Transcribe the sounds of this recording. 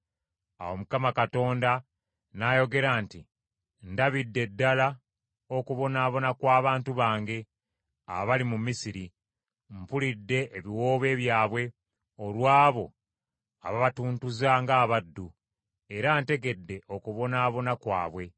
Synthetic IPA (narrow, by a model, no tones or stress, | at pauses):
a̰wo̞mukamakato̞ːnda | najo̞ɡe̞ɾaːnti | ndaβidːe̞dːala | o̞kuβo̞naːβo̞nakwaːβaːntuβaːŋɡe̞ | a̰βaβalimumːisiɾi | mpulidːe̞ʔːβiwo̞ːβe̞ːβjaːβwe̞ | olwaːβo̞ | aβaβatuːntuzaŋɡaːβadːu | e̞ɾante̞ɡe̞dːe̞ʔo̞kuβo̞naːβo̞nakwa̰ːβwe̞